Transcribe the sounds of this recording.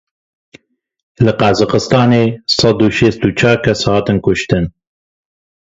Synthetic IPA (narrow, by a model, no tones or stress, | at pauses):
lɨqɑzɨqəst̪ɑːneːsɑd̪uʃeːst̪ut͡ʃʰɑːɾkʰɛshɑːt̪ɨnkʊʃt̪ɨn